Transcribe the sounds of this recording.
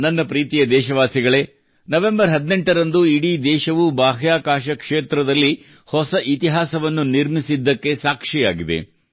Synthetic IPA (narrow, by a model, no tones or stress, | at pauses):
nɐnːɐpɾiːt̪ijɐd̪ɛːʃɐʋaːsiɡɐɭe̞ː | nɐʋe̞mbɐɾɦɐd̪neɳʈɐɾɐnd̪uiɽiːd̪ɛːʃɐʋubaːɦjaːkaːʃɐkʂeːt̪ɾɐd̪ɐlːi | hɔsɐʔit̪iɦaːsɐʋɐnːuniɾmisid̪ːɐkːe̞saːkʂija̰ːɡid̪e̞̰